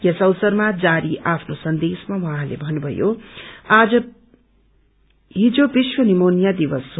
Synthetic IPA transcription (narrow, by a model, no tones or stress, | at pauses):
jʌsʌwsʌrmad͡zaɾiʔapʰnosʌnd̪esmawʌɦãlḛbʱʌnubʱʌ̰joad͡zʌ | ɦid͡zobiswʌnimonijad̪iwʌs